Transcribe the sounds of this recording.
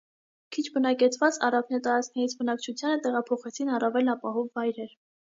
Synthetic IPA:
kʰit͡ʃʰbənɑkɛt͡sʰvɑt͡sɑ̰rɑvnɛt̪ɑɾɑt͡skʰnɛɾit͡sʰbənɑkt͡ʃʰut͡sʰjɑnət̪ɛʁɑpʰɔχɛt͡sʰinɑrɑvɛlnɑpɑɦɔvːɑjɾɛɾ

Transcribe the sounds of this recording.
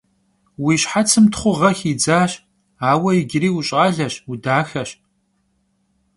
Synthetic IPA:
wiːɕħat͡sʰɨmtʰχʷʊʁɐxiːd͡zaːɕ | aːwɐɪɡʲɪɾiːwʊɕʼaɮɐɕudaːxɐɕ

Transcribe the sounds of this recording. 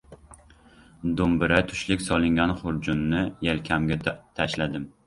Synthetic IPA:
d̪ʊmbɪɾat̪ʰʊ̥ʃlɪkʲsɒlˠɪŋɡʲanχʊɾd͡ʒʊnːɪjelkʲʰamɡʲat̪ʰaʃlad̪ɪm

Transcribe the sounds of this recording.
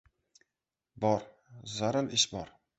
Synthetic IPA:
bɒɾ | zaɾalɪʃbɒɾ

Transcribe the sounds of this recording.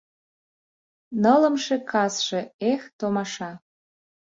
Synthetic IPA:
nələ̆mʃekʰɑsʃeext̪omɑʃɑ

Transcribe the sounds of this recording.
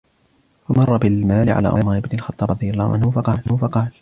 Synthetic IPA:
fɑmɑrˤːɑbɪlmaːlɪʕa̰la̰ːʔʊʔmaːʔɪbnɪlxɑt̪ˤːɑːbɾˤɑd̪ˤɨjalːˤɑːhʊʕanhʊfɑqɑːlhʊfɑqɑːl

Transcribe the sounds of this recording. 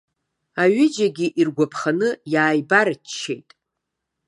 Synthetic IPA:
aɥɪd͡ʒaɡʲiʔirɡʷapʰχanɨjaːjbaɾt͡ʃt͡ʃʰːḛjtʼ

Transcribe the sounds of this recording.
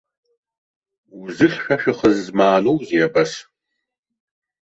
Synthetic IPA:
wzɨχʲʃɐʃɨχəzmaːnowziɛbɐs

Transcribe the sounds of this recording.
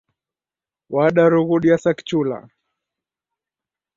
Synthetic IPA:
waɗaɾuɣuɗiasaki̥t͡ʃula̰

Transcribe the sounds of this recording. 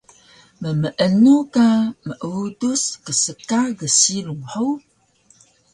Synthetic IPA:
məməʔənukaməʔuduskəsəkaɡəsiluŋħəw

